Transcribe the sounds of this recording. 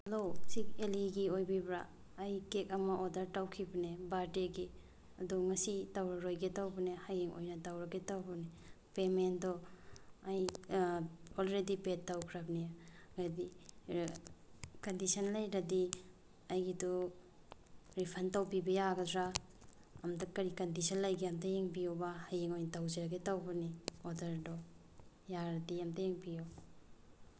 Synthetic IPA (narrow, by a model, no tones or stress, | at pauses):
losik̚eliɡiojbibɾa̰ː | jkek̚ɐmaʔodɐɾtawkʰibɐnebaɾdeɡi | ɐduŋɐsitawɾɐɾojɡetawbɐnehajeŋʔo̰jnɐtawɾɐɡetawbɐne | pemendɔ | aj | olɾedipetːawkʰɾabniɡadi | kɐndisɐnlɐjɾɐdi | ɐjɡidu | ɾipʰɐntɐwpibɐjaɡɐdɾaː | mdɐkɐɾikɐndisɐnlɐjɡiamtɐjeŋpijowbahajiŋojntawzeɾɐɡetawbɐniodɐɾdɔ | jaɾɐdiamtɐjeŋpijo